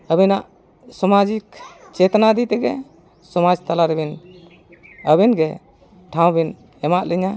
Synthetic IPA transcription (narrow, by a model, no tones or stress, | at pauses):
əbinaʔ | sɔmad͡ʒik | t͡ʃɛt̪anad̪it̪ɛɡɛ̰ | sɔmad͡ʒt̪alaɾɛbin | əbinɡɛ | ʈʰaw̃bin | ɛmaʔlɛɲa